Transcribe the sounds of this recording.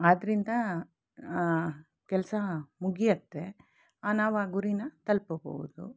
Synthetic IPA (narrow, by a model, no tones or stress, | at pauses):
aːd̪ɐɾind̪ɐ | kɛlɐsɐmuɡijɐt̪ːe | aːnaːʋaːɡuɾinɐt̪ɐlpɐbo̰ʋud̪ṵ